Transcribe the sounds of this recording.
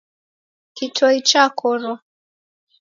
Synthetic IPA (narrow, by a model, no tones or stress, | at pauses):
kitʰɔit͡ʃakʰɔɾɔ